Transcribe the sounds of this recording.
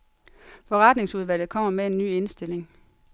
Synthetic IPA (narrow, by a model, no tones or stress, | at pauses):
fɒ̽ʁɑd̥ne̝ŋsuð̞ˠʋæl̰ð̩ˠkʰɒ̽m̰ɐmee̝nːy̰ːe̝nsd̥e̝le̝ŋ